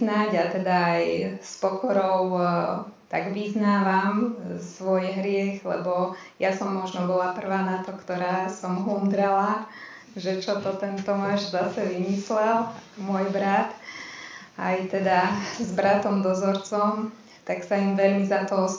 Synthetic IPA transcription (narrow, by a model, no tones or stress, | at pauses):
naɟat̪ɛd̪aːjspɔkɔɾɔʊ | t̪aɡʋiznaːʋamsʋɔjɦɾɪɛxlɛ̰bɔ | jasɔmːɔʒnɔbɔlapr̩ʋaːnat̪ɔkt̪ɔɾaːsɔmɦund̪ɾɛla | ʒɛt͡ʃɔt̪ɔt̪ɛnt̪ɔmaːʒzasɛʋimislɛlmʊɔjbɾat̪ | ajt̪ɛd̪azbɾat̪ɔmd̪ɔzɔɾt͡sɔm | t̪aksaimʋɛʎmizat̪ɔɔ